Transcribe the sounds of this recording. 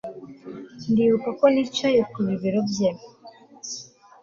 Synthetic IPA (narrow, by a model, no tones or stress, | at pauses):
ndiːβukakonit͡ʃajekuβiβiɾobjem